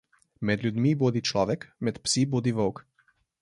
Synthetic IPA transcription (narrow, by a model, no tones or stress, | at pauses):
mɛd̪lʲjud̪mibod̪it͡ʃlɔːʋɛkmɛt̪psibod̪iʋəwk